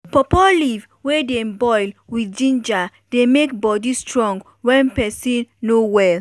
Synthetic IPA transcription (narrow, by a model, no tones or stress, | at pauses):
pɔpɔliv | wɛdẽmbɔjlwid͡ʒĩnd͡ʒa | demek̚bɔdistɹɔ̃ŋɡ | wɛ̃npɛsĩnːowɛl